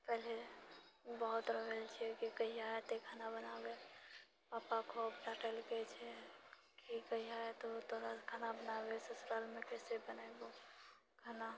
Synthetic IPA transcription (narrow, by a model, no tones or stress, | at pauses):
pɛɦle | bəɦʊt̪ɾəɦelt͡ʃʰiɛkikəiaet̪ekʰanabənabe | paːpakʰoəbʈaʈəlɡɛt͡ʃʰɛ | kikəiaet̪ot̪ʰoɾakʰanabənabesəsɾalmẽkɛːsebənabo | kʰana